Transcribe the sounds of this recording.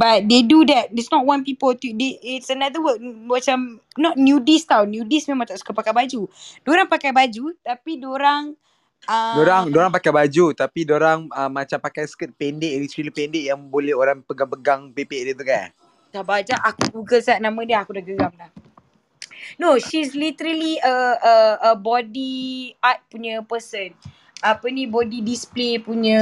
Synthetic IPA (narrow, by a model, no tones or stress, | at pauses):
bat̚dedudɛt̚dɛsnɔʔ̚wãnpipəlt̪udeɪtsənad̪əwək̚at͡ʃam | nɔt̚njudist̪awnjudismẽmãŋt̪ɔʔskəpakajbad͡ʒud̥oɾaŋpakajbad͡ʒut̪apidoɾaŋ | adoɾaŋdoɾaŋpakajbad͡ʒut̪apidoɾaŋəmːat͡ʃampakajsə̥kət̪̚pɛndɪklit̪ɾilipɛndɪʔjaŋbolɛhoɾaŋpəɡaŋpəɡaŋpepeʔdət̪ukan | tahbad͡ʒaʔakuɡuɡəlsaʔ̚nãmə̃diəakudaɡəɡamlah | noʃislit̪əɾəliəəəbɔdiat̪̚puɲəpəsən | apənĩbɔdidisplepuɲə̃